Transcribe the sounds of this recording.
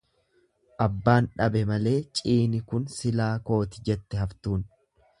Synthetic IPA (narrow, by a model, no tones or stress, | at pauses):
ʔɐbːaːnᶑɐbɛmɐle̞ːt͡ʃʼiːnɪkʊnsɪlaːko̞ːt̪ɪd͡ʒɛt̪ːɛɦɐft̪uːn